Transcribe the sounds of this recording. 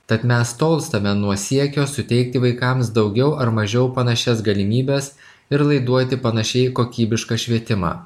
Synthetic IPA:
t̪ɐt̪mʲɛst̪oːlˠst̪ɐmʲɛnuɔsʲiɛkʲoːsʊt̪ʲɛɪk̚t̪ʲɪʋɐɪkɐmsd̪ɒʊɡʲɛʊʔɐɾmɐʒʲɛʊpɐnɐʃʲɛsɡɐlʲɪmʲiːbʲɛs | ɪɾlˠɐɪd̪uɔt̪ʲɪpɐnɐʃʲɛɪkoːkʲiːbʲɪʃkɑːʃʲʋʲiɛt̪ʲɪmɑ̰ː

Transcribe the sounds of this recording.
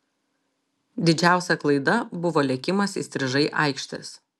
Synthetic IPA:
d̪ʲɪd͡ʒʲæˑʊsʲɛklˠɐɪd̪ɐbʊʋoːlʲɛkʲɪmɐsḭsʲt̪ʲɾʲɪʒɐɪʔɐ̰ɪkʃʲt̪ʲɪ̰s

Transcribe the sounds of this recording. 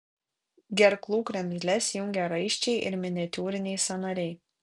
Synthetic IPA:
ɡʲɛɾklˠuːkɾʲɛmʲzʲlʲɛsʲjʊŋʲɡʲɛɾɐɪʃʲt͡ʃʲɛɪʔɪ̰ɾmʲɪnʲɪɛt̪ʲuːɾʲɪnʲɛɪsɐnɐɾʲɛɪ

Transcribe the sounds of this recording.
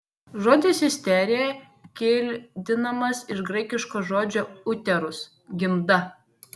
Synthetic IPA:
ʒoːd̪ʲɪsʲɪsʲt̪ʲɛˑɾʲejɛ | kʲeːlʲd̪ʲɪnɐmɐsɪʃɡɾɐɪkʲɪʃkoːʒoːd͡ʒʲoːʊt̪ʲɛɾʊs | ɡʲɪmd̪ɐ

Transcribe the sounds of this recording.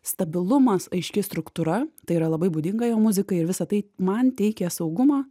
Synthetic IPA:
st̪ɐbʲɪlˠʊmɐsɐɪʃʲkʲɪst̪ɾʊkt̪uɾɐt̪ɐɪiɾɐlˠɐbɐɪbuːd̪ʲɪŋɡɐjoːmʊzʲɪkɐɪɪɾʋʲɪsɐt̪ɐɪmɐnt̪ʲɛɪkʲɛsɐʊɡʊmɑː

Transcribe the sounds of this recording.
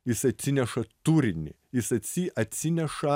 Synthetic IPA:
jɪsɐt̪ʲsʲɪnʲɛʃɐt̪uːɾʲɪnʲɪ̰ | jɪsɐt̪ʲsʲɪʔɐt̪ʲsʲɪnʲɛʃɐ

